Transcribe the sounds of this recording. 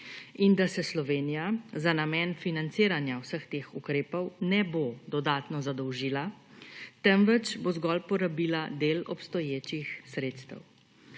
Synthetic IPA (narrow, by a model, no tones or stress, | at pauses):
ind̪asɛslɔʋeːnijazanamɛːnfinant̪siːɾanjawsəxt̪eːxukɾeːpɔwnɛbod̪ɔd̪aːt̪nɔzad̪ɔwʒiːla | t̪ɛmʋɛt͡ʃbozɡɔlpɔɾabiːlad̪eːlɔ̰pst̪ɔjeːt͡ʃixsɾeːt̪st̪ɛ̰w